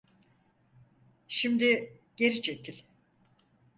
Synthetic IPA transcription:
ʃimd̪iɟ̥e̞ɾit͡ʃʰecʰilʲ

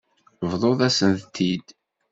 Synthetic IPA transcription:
vðˤoðˤæsənθt̪ʰːid̪

